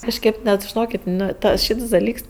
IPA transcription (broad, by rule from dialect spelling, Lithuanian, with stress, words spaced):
kɐʃʲˈkʲeːp nʲɛt ʒʲɪˈnoːkʲeːtʲ ˈnʊ ˈtɐ ˈʃʲiːts dɐˈlʲiːks